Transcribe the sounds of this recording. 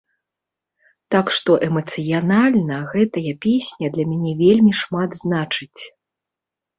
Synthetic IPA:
t̪akʂt̪ɔʔɛmɐt̪sɨjanalʲnɐɣɛt̪ɐjɐpʲesʲnʲɐd̪lʲɐmʲanʲɛvʲelʲmʲiʂmad̪znat͡ʂɨt͡sʲ

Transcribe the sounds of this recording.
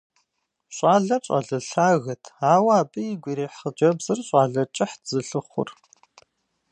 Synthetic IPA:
ɕʷʼaːɮɐt͡ʃʷʼɐ̰ɮɨɬaːɣɐtʰaːwaaːpʼɨiɡʷiɾeːħəd͡ʒɐbzɨrɕʼaːɮɐt͡ʃʼɪħdzɨɬɨχʷʊ̰r

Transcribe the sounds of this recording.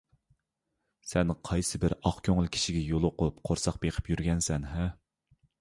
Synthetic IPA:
sɛnqʰɑjsɨbɪɾɑχkʲʰøŋɨlˠkʲʰi̥ʃiɡʲɛjolˠʊqʊpqʰoɾsɑq̚beqʰə̥pjyɾɡʲɛnsɛnɦɛ

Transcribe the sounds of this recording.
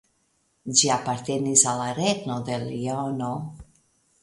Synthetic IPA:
d͡ʒiapaɾt̪e̞nisalaɾeɡnod̪e̞liono

